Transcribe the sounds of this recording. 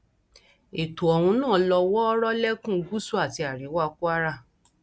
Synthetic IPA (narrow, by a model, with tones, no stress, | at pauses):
e˨tu˨ɔ˨hũ˧˦nãː˦˨˦lɔ˧wɔ˦ɔ˦ɾɔ˦lɛ˦kũ˦˨˧ɡu˦su˦a˦˨ti˧a˨ɾi˨˦wa˦ku˦a˦ɾa˦˨